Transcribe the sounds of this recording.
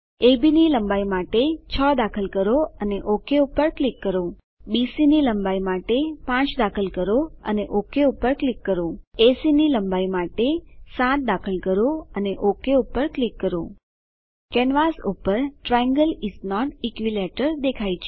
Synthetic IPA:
ebiniləmbaimaʈet͡ʃʰəd̪akʰəlkəɾoəneʔokʰeupəɾklikːəɾo | bisiniləmbaimaʈepãt͡ʃd̪akʰəlkəɾoə̰neʔokʰeupəɾklikːəɾoesiniləmbaimaʈesãt̪̚d̪akʰəlkəɾoəneʔokʰeupəɾklikːəɾo | kɛnʋasupəɾʈɾajə̃ŋɡəliznɔʈikʋileʈəɾd̪ekʰajt͡ʃʰe

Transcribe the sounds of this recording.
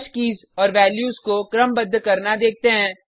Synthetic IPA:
ʃkiːz | ɔːɾʋɛːljuːzkokɾəmbəd̪ʱːkɐɾnad̪eːk̚ʰt̪eɦɛ̃ː

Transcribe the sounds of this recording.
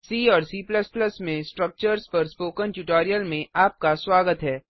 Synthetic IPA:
siːɔːɾsiːpləspləsmẽsʈɾək̚t͡ʃəɾspɐɾspoːkə̃nʈjuːʈɔːɾijəlmẽʔaːp̚kaswaːɡət̪ɦɛː

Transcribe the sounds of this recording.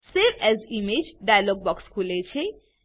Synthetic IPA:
seɾɛzimed͡ʒɖajalɔɡ̚bɔkskʰulet͡ʃʰe

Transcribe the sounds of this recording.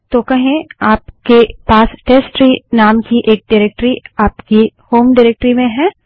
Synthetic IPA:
t̪okɐɦẽaːpkepaːsʈeːsʈɾinaːmkiʔeːk̚ɖaɾeːk̚ʈɾiaːpkihoːmɖaɾeːk̚ʈɾimẽɦɛ̃ː

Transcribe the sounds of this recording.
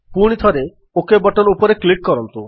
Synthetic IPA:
puɽ̃it̪ʰɔɾe | okebɔʈɔnupɔɾeklikːɔɾɔnt̪u

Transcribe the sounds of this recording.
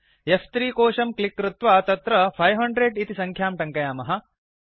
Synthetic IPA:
jɐst̪ɾiːkoːʃɐmklikːɾut̪ʋɐt̪ɐt̪ɾɐpʰɐjɦɐɳɖɾeɖit̪isɐŋkʰjaːmʈɐŋkɐjaːmɐɦɐ

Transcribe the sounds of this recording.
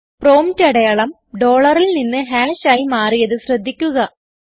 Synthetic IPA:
pro̞ːmtɐɽɐjaːɭɐm | ɖo̞ːɭɐrilninːɨɦaːɕaːjimaːrijɐðɨɕrɐd̪ʱːikʲːuɣɐ

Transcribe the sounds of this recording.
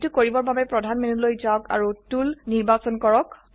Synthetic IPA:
tukoɹibɔɹbabɛpɹɔdʱanmenlojzaɔka̰ɹutulniɹbasɔnkɔɹɔk

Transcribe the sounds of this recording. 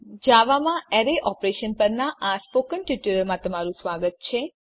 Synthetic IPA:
d͡ʒaʋamãɛɾeʔɔpɾeʃənpəɾnaʔaspokənʈiʈuɾəɾmãt̪əmaɾũsʋaɡət̪̚t͡ʃʰe

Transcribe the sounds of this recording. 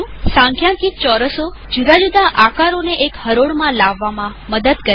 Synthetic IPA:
sãŋkʰjãkit̪̚t͡ʃɔɾəso | d͡ʒud̪ʱad͡ʒud̪ʱaʔakaɾoneʔekhəɾoɽmãlaʋːamãməd̪əd̪kə

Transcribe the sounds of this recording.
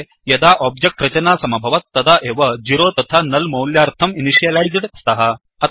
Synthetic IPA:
jɐd̪aːʔɔːbd͡ʒek̚ʈɾɐt͡ʃɐnaːsɐmɐbʱɐʋɐt̪ːɐd̪aʔeːʋɐd͡ʒiɾoːt̪ɐt̪ʰanɐlmɐwljaːɾt̪ʰɐminiʂijɐlajzɖst̪ɐɦɐ | ɐt̪

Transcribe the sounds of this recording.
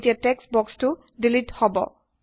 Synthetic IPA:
tiatɛksbɔkstʊ | dilithɔbɔ̰

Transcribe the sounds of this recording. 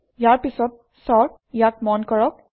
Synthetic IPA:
jaɹpisɔt̚ | sɔɹ | ijatmɔnkɔɹɔk̚

